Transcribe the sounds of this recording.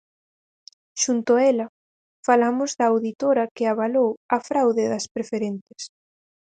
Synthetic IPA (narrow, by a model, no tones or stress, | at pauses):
ʃunt̪oɛlɐ | falamʊzðɐawðit̪oɾɐkeaβalowɐfɾawðɪðɐspɾefeɾent̪e̥s